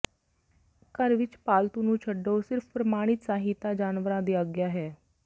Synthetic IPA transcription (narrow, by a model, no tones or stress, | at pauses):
kəɾʋɪt͡ʃpaːlt̪ũːnũːt͡ʃʰəɖːoːsɪɾpʰpɾəmaːɽ̃ɪt̪saːɦit̪aːd͡ʒaːnʋəɾãːd̪iːəɡjaːɦɛː